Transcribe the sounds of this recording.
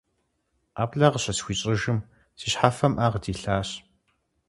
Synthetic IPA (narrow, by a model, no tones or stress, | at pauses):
aːbɮɐʁəɕɐsxʷiːɕʼɪʒɨm | siɕħafɐmʔaːʁədiːɬaːɕ